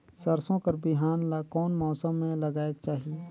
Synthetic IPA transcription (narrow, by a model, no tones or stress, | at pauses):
sɐɾsõkɐɾbɪɦaːnlkɔːnmɔːsəmːẽlɐɡaːeɡ̚t͡ʃaːɦie